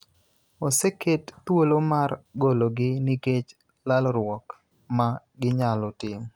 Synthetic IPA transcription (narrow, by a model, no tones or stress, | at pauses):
osekett̪wolomarɡoloɡɪniket͡ʃ | lalɾwɔk | ma | ɡɪɲalɔtɪm